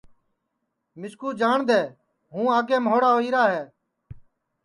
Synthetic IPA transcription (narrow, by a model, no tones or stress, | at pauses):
mɪskuːd͡ʒaːɳd̪eː | ɦũːaːɡeːmɦoːɽaːoːiːɾaːɦɛː